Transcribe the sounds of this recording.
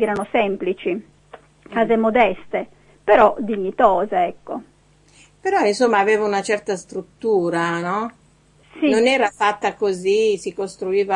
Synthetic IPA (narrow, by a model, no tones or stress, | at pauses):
ɛːɾanosɛmplit͡ʃi | kaːzemod̪ɛst̪e | peɾɔd̪iɲːit̪ɔːzeɛkːo | peɾɔinsomːaːveːvaunat͡ʃɛrt̪ast̪ɾut̪ːuːɾanɔ | sinonɛːɾafat̪ːakozisikost̪ɾuiːva